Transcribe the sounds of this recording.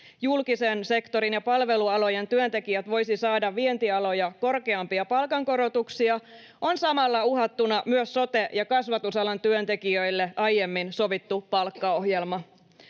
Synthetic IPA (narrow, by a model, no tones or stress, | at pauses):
julkisense̞kt̪o̞ɾinjɑpɑlʋe̞luɑlo̞jent̪yønt̪e̞kiæt̪ʋo̞jsisɑːdɑʋʋːie̞nt̪iɑlo̞jɑko̞rkeɑmpiɑpɑlkɑŋko̞ɾo̞t̪uksiɑ | o̞nsɑmɑlːɑuɦɑt̪ːunɑmyøsːo̞t̪e̞jɑkɑsʋɑt̪usɑlɑnt̪yønt̪e̞kiøilːeʔɑjemːinso̞ʋit̪ːupɑlkːɑo̞ɦjelmɑ